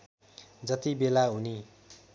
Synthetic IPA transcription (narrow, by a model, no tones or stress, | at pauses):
d͡zʌt̪ibelaɦuni